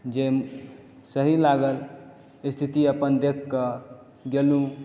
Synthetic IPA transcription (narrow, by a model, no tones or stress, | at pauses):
d͡ʒe | səɦilaɡəl | ist̪ʰit̪iəpənd̪ekʰːə | ɡelũ